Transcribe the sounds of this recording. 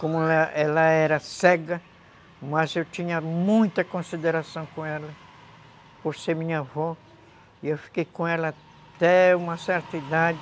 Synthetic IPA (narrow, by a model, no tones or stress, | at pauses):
kõmʊlaɛlɐɛɾɐsɛɡɐ | mazewt̪ĩɲɐmũj̃t̪ɐkõsid̪eɾasɐ̃w̃kõɛlɐ | poɾseɾmĩɲɐvɔ | iewfi̥kejkõɛlɐ | t̪ɛũmɐsɛɾt̪ɐid̪ad͡ʒɪ